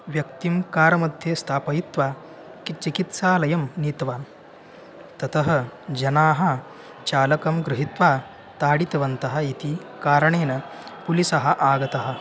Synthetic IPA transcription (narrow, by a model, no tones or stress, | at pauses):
ʋjɐkt̪imkaːɾɐmɐd̪ʱjest̪ʰaːpɐɦit̪ʋaː | kit͡ʃikit̪saːlɐjɐmniːt̪ʋaːn | t̪ɐt̪ɐɦɐ̆d͡ʒɐnaːɦɐ | t͡ʃaːlɐkɐmɡɾɪɦit̪ʋaː | t̪aːɽit̪ɐʋɐnt̪ɐɦɐ̆it̪ikaːɾɐɳeːnɐpulisɐɦɐ̆ʔaːɡɐt̪ɐɦɐ̆